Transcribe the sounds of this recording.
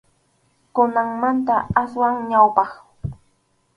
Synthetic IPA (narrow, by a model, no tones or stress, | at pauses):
kʊnaŋmant̪aaswaŋɲawpɑχ